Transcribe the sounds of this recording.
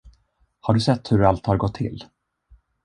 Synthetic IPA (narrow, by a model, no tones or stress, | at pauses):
haɖɵsɛt̪ːhɵɾalt̪haɾɡɔt̪ʰːɪ̰lː